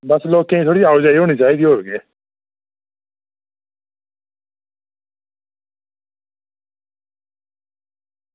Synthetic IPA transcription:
bəsloːkẽĩt̪ʰoːɽiaːʊd͡ʒaːiːɦoːɽ̃iːt͡ʃaːiːd̪iːɦoːeɡeː

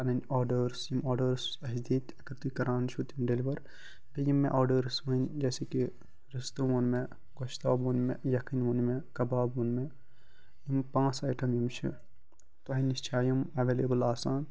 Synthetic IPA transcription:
ɐnɐnʲɔːɾɖəɾsjimɔːɾɖɐɾsɐɦd̪iːt̪ɐkɾt̪ikɐɾaːnʃut̪imɖeliʋɐɾ | d̪ɐjimːḛ̃ʔɔːɾɖəɾsʋɐnd͡ʒɛːseki | ɾɐst̪ɐʋoːnmẽ | ɡoʃt̪aːbuːnmẽjɐkiːnʋoːnmẽkɐbaːbuːnme | jimpãːsaːjʈɐmjimt͡ʃʰḭ | t̪ɐɦiniʃt͡ʃʰaːjimɐʋeːleːbəlaːsaːn

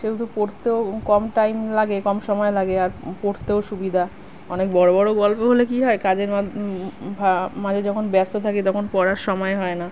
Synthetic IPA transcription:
ʃeut̪upoɾt̪eokɔmʈajmlaɡekɔmʃɔmɔelaɡeaɾpoɾt̪eoʃubid̪ʱa | ɔnek̚bɔɽobɔɽoɡɔlpoɦolekiɦɔekad͡ʑeɾ | bʱamad͡ʑʱed͡ʑɔkʰonbɛɾst̪ot̪ʰaket̪ɔkʰonpɔɽaɾʃɔmɔeɦɔena

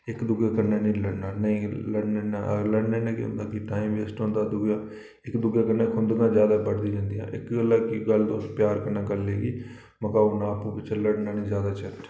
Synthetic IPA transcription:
ɪkd̪ʊɡjaːkəɾnaːnĩːləɽnaːnəĩːləɽneːnaləɽnẽːnẽːkʊ̰̃nd̪aːkiʈaːimʋeːsʈõːnd̪aːd̪ʊɡjaː | ɪkd̪ʊɡjaːkəɾnãːkʊ̃nd̪ɡãːd͡ʒjaːd̪aːbəɽd̪iːd͡ʒãːnd̪iːã̰ːʔɪ̰kɡəlakiɡəld̪opjaːɾkəɾnaːɡəleːɡiː | məkaːnaːpũːpɪt͡ʃʰləɽnãːnĩːzjaːd̪aːt͡ʃʰəʈ

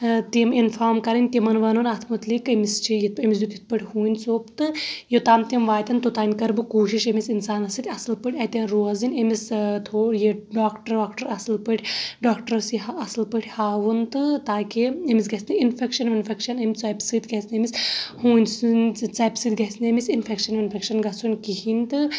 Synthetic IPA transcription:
t̪iminfʰaːɾmkɐɾɐnʲt̪imɐnʋɐnunɐt̪ʰmɐt̪likɐmist͡ʃʰijit̪̚emis̬jut̪it̪̚pɨʈʰʲhuːnʲsoːpt̪ɨjot̪aːmt̪imʋaːt̪ʲɐnt̪ot̪aːnʲkɐɾbɨkuːʃiʃɐmisinsaːnɐsit̪ʲɐsɨlpɨʈʲɐt̪ʲɐnɾoːzinʲemist̪ʰoːjeɖaːkʈɐɾaːkʈɐɾɐsɨlpɨʈʰʲɖaːkʈɐɾɐsiɦaɐsɨlpɨʈʰʲhaːʋɨnt̪ɨt̪aːkiemis̬ɡɐsnɨinfʰʲekʃɐnʋinfekʃɐnɐmʲt͡sɐjpsɨt̪ɡɐsnemishuːnʲsnt͡sɐpsɨd̪ɡɐsnemisinfʰekʃɐnʋinfʰʲekʃɐnɡɐsunʲkiɦint̪ɨ

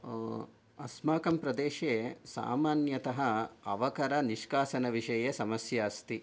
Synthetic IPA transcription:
ɐsmaːkɐmpɾɐd̪eːʃeːsa̰ːmaːnjɐt̪ɐɦɐɐʋɐkɐɾɐniʃkaːsɐnɐʋiʂɐjesɐmɐsjaːst̪i

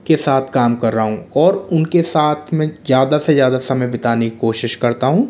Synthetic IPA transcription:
kesaːt̪ʰkaːmkɐɾːaɦũːɔːɾʊnkesaːt̪ʰmɛ̃zjaːd̪asezjaːd̪asɐməjbɪt̪aːnekikoːʃɪʃkɐɾt̪aɦũː

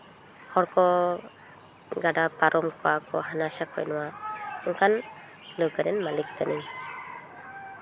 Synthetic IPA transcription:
hɔɹkɔ | ɡadapaɾʔɔmkɔakɔ̰hanasakʰɔ̰jnɔwaɯŋkan | lɯwɡaɾɛnmalikːaniɲ

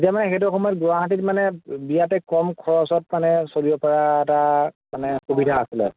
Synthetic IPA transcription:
etijamanɛxet̬uxɔmɔjɔt̚ɡʊaɦat̬itmanɛbijatɛkɔmkʰɔɹɔsɔt̚manɛsoliɔpɔɹaɛtamanɛxubidʱaːsilɛ̰

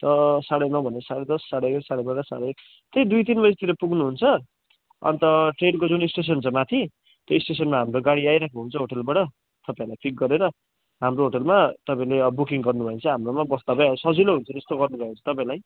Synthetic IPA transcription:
t̪ʌsaɽʌjmabʱʌneʌsaɽed̪ʌsːaɽeɡesaɽebaɾʌsaɽʌek | t̪ed̪ujt̪̬inbʌd͡zt̪ʰiɾʌpuɡnuɦunt͡sʰʌ | ʌ̰nt̪ʌʈrenkod͡zunisʈes̬ʌnt͡sʰʌmat̪ʰi | t̪joisʈesʌnmaɦamɾoɡaɽiajɾakʰuɦunt͡sʰʌɦoʈelbaʈʌ | t̪ʌpãĩlajpʰik̚ɡʌɾeɾʌ | ɦamroɦoʈelmat̪ʌpãĩleʌbukiŋɡʌrnubʱʌent͡sʰʌɦamromabʌst̪abajsʌd͡ziloɦunt͡sʰʌnest̪oɡʌrnubʱʌet͡sʰʌ̥t̪ʌpãĩlaj

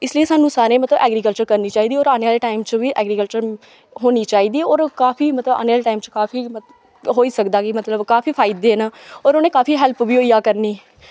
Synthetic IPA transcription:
ɪslieːsaːnũːsaːɾẽːmət̪ləbɛ̰ːɡɾiːkəlt͡ʃəɾkəɾniːt͡ʃaːiːd̪iːɔːɾaːneaːleʈaːɪmt͡ʃʋiːʔɛːɡɾiːkəlt͡ʃəɾ | ɦoːniːt͡ʃaːiːd̪iːɔːɾkaːfiːmət̪ləba̰ːnaːlʈaːimt͡ʃkaːfʰiː | ɦoːiːsəkd̪aːkɪmət̪ləbkaːfʰiːpʰaːɪd̪eːnaːɔːɾoːneːkaːpiːɦɛlpʋiːɦoːiːaːkəɾniː

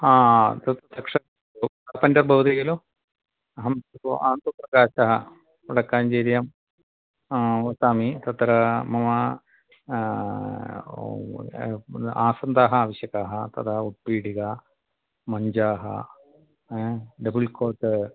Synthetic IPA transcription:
aːt̪ɐt̪ɐsɐkʂɐ | pɐndɐrbʱɐʋt̪iɡɐloː | ɐɦɐmtaːnt̪upɾɐkaːɕaɦɐ | uɽɐkːaːnd͡ʑeːɾjaːm | ʋɐsaːmit̪ɐt̪ːɐɾɐmɐmɐ | aːsɐnd̪aːɦɐaːʋɐɕjɐkaːɦɐt̪ɐ̰t̪ʰɐuʈ̪̚piːɽiɣɐ | mɐɲd͡ʒaːɦɐ̰ | ɖɐbulkoːʈːɨ

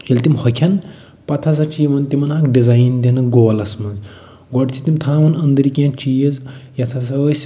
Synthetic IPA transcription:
jelt̪imhɐkʰʲɐn | pɐt̪ʰɐs̬ɐt͡ʃijmɐnt̪imɐnaːkɖizajnd̪inɨɡoːlɐsmɐnz | ɡɔʈt̪ʰit̪imt̪ʰaːmɐnɐnd̪ɐɾikʲãːt͡ʃijɐzjɐt̪ʰɐsɐʋɐsʲ

